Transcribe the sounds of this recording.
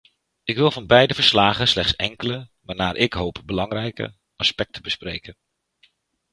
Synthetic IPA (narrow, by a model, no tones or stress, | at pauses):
ɪkʋɪlˠvɑnbɛjdəvəɹslaːχənslɛχtsɛŋkələʋanaːɹʔɪkɦowpbəlɑŋrɛjkə̰ | ɑspɛk̚təbəsprejkən